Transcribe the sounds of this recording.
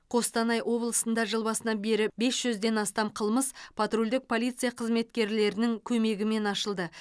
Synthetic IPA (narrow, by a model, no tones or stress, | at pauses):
qʰo̞st̪ɑnɑjʔwo̞blˠəsənd̪ɑʒəlˠbɑsənɑnbe̞ɾɪbe̞sʒ̥ʏzd̪e̞nɑst̪ɑmqʰəlˠməspʰat̪rulʲd̪ɪk̚pʰo̞lʲijt̪sɨijaqʰəzme̞t̪kʲe̞ɾle̞ɾɪnɪŋkʲʰɵme̞ɡʲɪme̞nɑʃəlˠd̪ə